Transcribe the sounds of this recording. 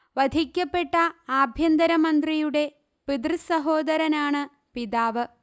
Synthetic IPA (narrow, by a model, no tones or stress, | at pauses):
ʋɐd̪ʱikʲːɐpːe̞ʈːɐaːbʱjɐnd̪ɐɾɐmɐnd̪rijuɽe̞ | pid̪rɨsɐɦo̞ːd̪ɐɾɐnaːɳɨ | piðaːʋɨ